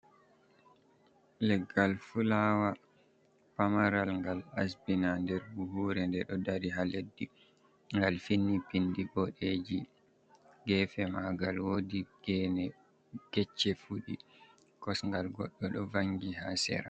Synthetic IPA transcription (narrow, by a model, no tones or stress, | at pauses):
lɛɡalfulawa | pamaɾalŋɡalasbinandɛɾbuɦuːɾɛndɛɗɔdaɾiɦaledːi | ŋɡalfinːipindibɔɗed͡ʒi | ɡɛːfɛmaɡalwodiɡ̥ɛnɛ | ɡ̥ɛt͡ʃːɛfuɗi | kɔsŋɡalɡɔɗːɔɗɔvaŋɡihasɛ̰ɾa̰